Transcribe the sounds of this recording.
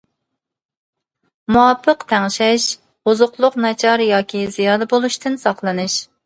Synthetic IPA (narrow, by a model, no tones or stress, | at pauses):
muwɑpʰːəqt̪ʰɛŋʃɛʃ | ozʊqlˠʊqnɑt͡ʃʰɑɾjɑːkʲʰizijɑːd̪ɛbolˠuʃt̪ʰɨnsɑqlˠɨnɨʃ